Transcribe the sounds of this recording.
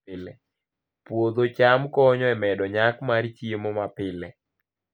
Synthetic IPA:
ɪlɛ | pwod̪ot͡ʃamkɔɲɔɛmɛdɔɲakmaɾt͡ʃjemomapɪlɛ

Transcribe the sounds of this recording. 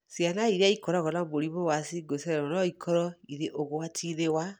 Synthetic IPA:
sianaiɾeaikɔɾɔɣɔnamoɾimowasiɡosɛɾɛɔnɔikʰɔɾɔiɾeʔoɣowatʰiɾewa

